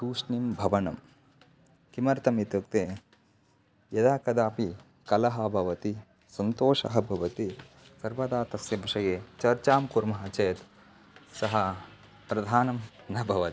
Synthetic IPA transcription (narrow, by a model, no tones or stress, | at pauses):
suːʂnimbʱɐʋɐnɐm | kimɐɾt̪ɐmit̪ɐk̚t̪eː | jɐd̪aːkɐd̪aːpi | kɐlɐɦɐ̆bʱɐʋɐt̪i | sɐnt̪oːʂɐ̰ɦɐbʱɐʋɐt̪i | sɐɾʋɐd̪aːt̪ɐsjɐbʱɐʂɐjeːt͡ʃɐɾt͡ʃaːmkuɾmɐɦɐt͡ʃeːt̪ | sɐɦɐ | pɾɐd̪ʱaːnɐm | nɐbʱɐʋɐt̪i